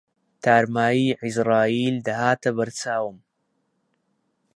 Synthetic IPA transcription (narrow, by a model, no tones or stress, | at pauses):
t̪ʰaːɾmaːjiːʕizɾaːiːld̪ɐhaːt̪ɐbɐɾt͡saːwɨm